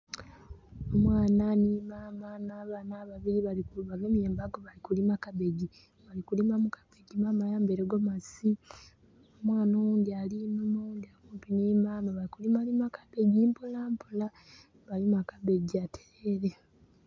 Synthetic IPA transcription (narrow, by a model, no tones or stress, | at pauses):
omwaːnanimaːmanaβanaːβaβiɾiβalikuβaɡemjeːmbaɡoβalikulimakaβe̞ɟi | βalikulimamukḁβeɟimamajaːmbeɾeɡomasi | omwaːnondialimimond̪iakuːmpiniːmaːmaβalikulimalimakʰabe̞ɟimpulampola | βalimakaβe̞ɟiatʰe̥eɾe